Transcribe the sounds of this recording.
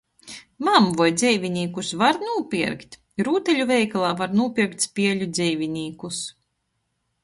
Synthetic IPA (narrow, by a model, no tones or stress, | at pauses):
mamvɔjd̪zʲɛjvʲinʲiːkusvaɾnuːpʲiɾkt̪ʲ | ɾuːt̪ɛlʲuvʲɛjklˠaːvaɾnuːpʲiɾkt̪ʲspʲiɛlʲud̪zʲɛjvʲinʲiːkus